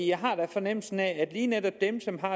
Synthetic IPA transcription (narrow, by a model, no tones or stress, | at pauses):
jɑ̈ɪɦɑ̈d̥æfɒ̽nem̰l̩sn̩ææd̥liːned̥ɒ̽b̥d̥emsɒ̽mɦɑ̈